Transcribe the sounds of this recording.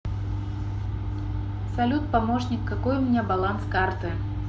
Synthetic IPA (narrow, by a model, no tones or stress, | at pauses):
sɐlʲut̪̚pɐmoʂnʲɪkːɐkojʊmʲnʲabɐlˠanskart̪ɨ